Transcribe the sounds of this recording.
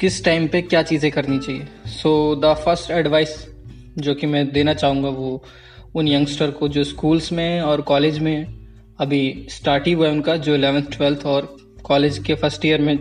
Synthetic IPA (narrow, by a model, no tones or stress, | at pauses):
kɪsʈaːɪmpekjaːt͡ʃiːzẽkɐɾnit͡ʃaːɦiesoːd̪əfɐɾsʈɛɖʋaːɪs | d͡ʒoːkimɛ̃ːd̪eːnat͡ʃaːɦũːŋɡaʋo | ʊnjɐ̃ŋɡsʈəɾkod͡ʒoːskuːlsmẽɛɔːɾkɔːleːd͡ʒmẽ | ɐbʱisʈaːɾʈiʋoɛʊnkad͡ʒoːɪlɛːʋənt̪ʰʈwɛlt̪ʰɔːɾ | kɔːleːd͡ʒkefɐɾsʈijəɾmẽ